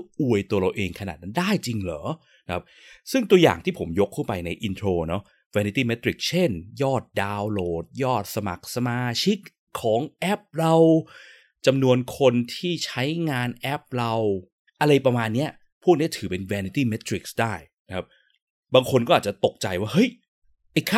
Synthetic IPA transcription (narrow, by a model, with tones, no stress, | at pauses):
ʔu˨˩əjt̪u˧əɾa˧wʔeː˧ŋkʰa˧na̰ː˨˩t̪̚na˦˥ndaː˥˩jt͡ɕi˧ŋlɔː˩˦ | na˦kʰa˦˥p̚sɯ˥˩ŋt̪u˧əja̰ː˨˩ŋt̪iː˥˩pʰo˩˦mjo˦˥k̚ʰːuː˥˩pa˧jna˧jʔi˧nt̪ʰɾoː˧nɔ˦˥ | wɛː˧ni˧t̪iː˥˩me˦˥t̪ːɾi˨˩k̚t͡ɕʰe˥˩njɔː˥˩t̪̚daː˧wloː˨˩t̚jɔː˥˩t̪̚sa˧ma̰˨˩k̚sa˧maː˧t͡ɕʰi˦˥k̚ʰː | ɔː˩˦ŋʔɛ˦˥p̚ɾa˧w | t͡ɕa˧mnu˧ənkʰo˧nt̪ʰiː˥˩t͡ɕʰa˦˥jŋaː˧nʔɛ˦˥p̚ɾa˧w | ʔa˧ɾa˧jpɾa˧maː˧nːi˦˥ɐ | pʰu˦˥˩k̚ni˦˥ɐ˩t̪ʰɯː˩˦pe˧nwɛː˧ni˧t̪iː˥˩me˦˥t̪ʰɾi˨˩k̚sdaː˥˩jna˦kʰa˦˥p̚ | baː˧ŋkʰo˧nkɔː˥˩ʔaː˨˩t͡ɕa˨˩t̪o˨˩k̚t͡ɕa˧jwaː˥˩hɤ˦˥˩j | ʔa˧˩kʰa˥